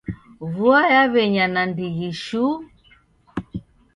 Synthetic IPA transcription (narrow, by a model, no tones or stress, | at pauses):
βuajaβɛɲanandiɣiʃu